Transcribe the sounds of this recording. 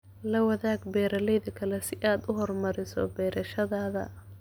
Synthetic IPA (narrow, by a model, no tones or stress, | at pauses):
lɐwɐðaːɡbɛːɾɐlɛjðɐkʰɐlɛsɪʔaːd̪ʊɦɔrmɐɾɪsɔ̰bɛːɾɐʃɐðaːðɐ̰